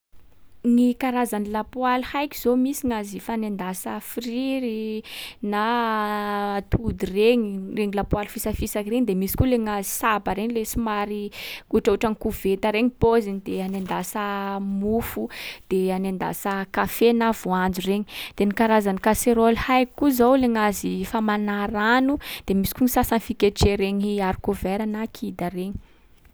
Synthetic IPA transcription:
nikaɾazanilapwalhajkʲi̥z̥omisiŋazifanend̪asəfiriɾina | t̪ud̪ireɲireŋilapwalfisafisakireɲid̪emisi̥kuleŋazisabaɾeɲlesimaɾiuʈ͡ʂauʈ͡ʂaŋikuvet̪aɾeɲipozinid̪eanend̪asamufud̪̥eanand̪a̰səkafenav̥uand͡zureɲi̥d̪̥enikaɾazanikaseɾolhajkkuzowleŋazifamanaɾanud̪̥emisi̥kuɲisasanifikeʈ͡ʂeɾeɲiaɾikoveɾanakʰid̪areɲi̥

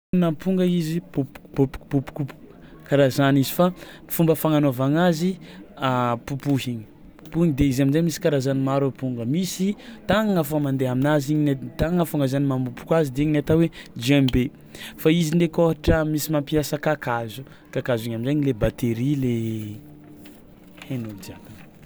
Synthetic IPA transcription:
napuŋɡəizipupu̥pupu̥pupu̥kupu̥ | kaɾazanizifa | fumbəfaŋanavaŋaziapupuɦiɲi̥ | pu̥puiɲid̪eizaminzajmisi̥kaɾazanimaɾapuŋɡəmisit̪aŋaŋafamand̪eaminaziɲinat̪aŋŋafaŋazanimambupu̥kwazid̪eeɲinat̪awed͡ʒɛmbe | faizind̪ekoɦaʈ͡ʂəmisimampiasəkakazu̥ | kakaziɲaminzaɲilebat̪eɾile | henud̪iaka

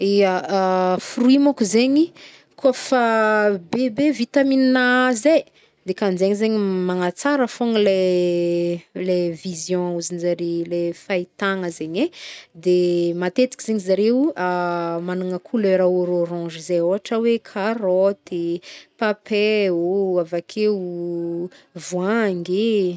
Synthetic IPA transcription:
eafruimakuzeɲi | kʰofabebevit̪amininaze | d̪ekand͡ʒeɲizeɲimaŋat͡saɾəfoŋile | levizjɔ̃uzinizaɾelefajt̪aŋəzeɲed̪emat̪et͡s̪i̥kizeɲizaɾewamanuŋəkʰuløɾaoɾoɾɔ̃ʒizejoɦaʈ͡ʂəwekʰaɾɔt̪ipapeoavakʰeu | vwãŋɡe

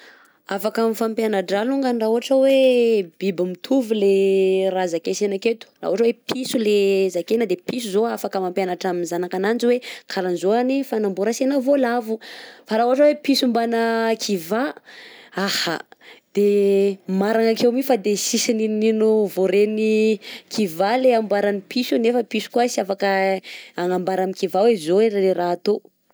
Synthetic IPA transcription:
afakamifampjanaɖ͡ʐaluŋɡanɖ͡ʐauɦaʈ͡ʂəwebibimit̪ʰuvileɾazakesenaket̪u̥ra̰uɦaʈ͡ʂəwepʰisulezakenəd̪episuzoafakəmampjanaʈ͡ʂaminzanakanand͡ʒiwekʰalanzoanifanambuɾasenavolavufaɾauɦaʈ͡ʂəwepisumbanəkʰiva | aha̰d̪̥emaɾaŋakewmifad̪esisinininuvoɾenikʰivaleambaɾanipisunefəpisu̥kuasiafakəaŋambaɾamikivawezoelleraːt̪o

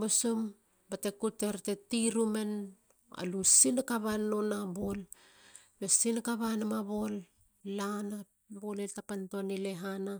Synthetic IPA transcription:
bosom | bate̞kute̞ɾte̞tiɾume̞n | a̰lusinakaβanːonabol | besinakaβanamaβo̞lː | ana | boleltapantonileɦana

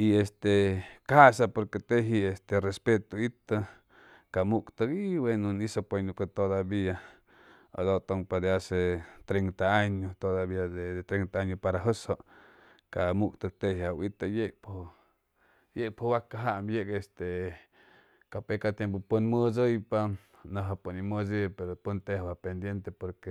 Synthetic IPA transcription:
iest̪ekahasapoɾket̪eɦiest̪erespet̪oit̪a | kamukt̪əkiwenonisopenukat̪od̪abia | a̰d̪ot̪oŋpad̪easet̪ɾent̪aaɲot̪od̪aβiad̪ed̪et̪ɾent̪aaɲopaɾaɦosoʔ | kamukt̪ək̚t̪ejawit̪ajek̚pʰo | jek̚pʰowakaɦaʔmbjekest̪e | kapekat̪jemp̬opunməzəjpa | naɦaponiməzipeɾopunt̪ehabapend̪jent̪epoɾke

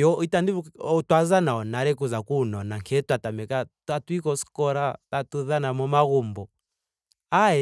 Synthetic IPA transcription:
jɔitanditwazanaɔnaɾɛkuzakunɔnaŋkʰɛtwatamɛkatatwikɔskɔɾatatuðanamɔmaɣumbɔ | aɛ

